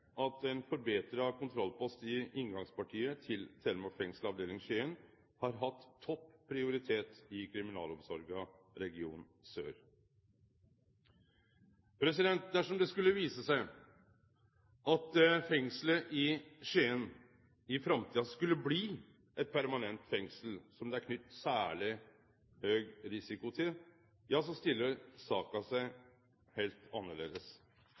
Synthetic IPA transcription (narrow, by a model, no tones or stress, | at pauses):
ɑt̪ɛɪnfɔɾbeːt̪ɾəkʊnt̪ʰɾɔlːpʰɔst̪ɪʔɪŋɡɑŋspɑʈʰiːət̪ʰɪlt̪ʰɛɾmɔfɛŋslɑʋd̪eːlɪŋʂeːən | hɑɾɦɑt̪ʰːɔpːʰɾɪʊɾɪt̪ʰeːt̪ɪkʰɾɪmɪnɑ̰ːlɔmsɔɾɡɑ | ɾɛɡɪṵːn | sø̰ːɾ | pʰɾɛsɪd̪ɛnt̪̚d̪æʂɔmd̪ɛskʉlːəʋiːsəsæɪ | ʔɑt̪fɛŋsləʔɪʂeːən | ɪfɾɑmt̪ʰiːɑskʉlːəbliː | ʔɛt̪̚pʰæɾmɑnɛnt̪fɛŋsl̩sɔmd̪ɛæɾkʰnʏt̪ːsæːɭɪ | høːɡɾɪsɪkʊt̪ʰɪl | jɑs̬ɔst̪ɪlːəsɑːkɑsæɪ | heːlt̪ɑnːəɭḛːd̪əs